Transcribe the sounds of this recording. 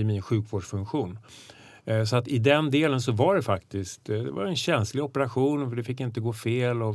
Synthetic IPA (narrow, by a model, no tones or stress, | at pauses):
miːnɧʉ̟ːkvoːɖʂfɵŋkɧuːn | sɔat̪ɪd̪ɛnd̪eːləns̬ɔvaɖɛfakt̪ɪst̪d̪ɛ̰va̰ɾɛnɕɛnslɪɡɔpɛɾaɧuːnfœɖɛfɪkːɪnt̪əɡoːfeːlɔ